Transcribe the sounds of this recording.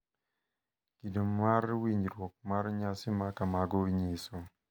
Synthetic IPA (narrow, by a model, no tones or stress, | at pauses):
kidomarwiɲɾwɔk̚marɲasɪmakamaɡowiɲeso